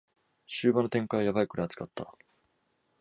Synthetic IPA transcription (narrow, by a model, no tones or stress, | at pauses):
ɕɨːbanot̪ẽ̞ŋkajajaβaikɯɾajat͡skat̪ːa̰